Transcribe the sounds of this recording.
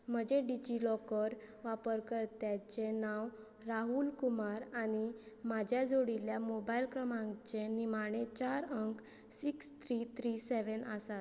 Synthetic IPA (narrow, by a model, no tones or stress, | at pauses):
m̤əd͡ʑeɖid͡ʑilɔkəɾʋapəɾkəɾt̪jat͡ɕenaw | ɾaɦulkumaɾañi | mad͡ʑʱjad͡zoɽiljamobailkɾəmãŋt͡ɕenimaɽ̃et͡ɕaɾəŋk | sikst̪ʰɾit̪ʰɾiseʋənasat̪